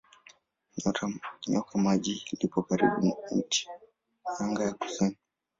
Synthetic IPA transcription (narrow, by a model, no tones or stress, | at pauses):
ɲɔtʰaɲɔkʰamaʄilipɔkaɾḭɓum̩ti̥ | aŋɡajaku̥sini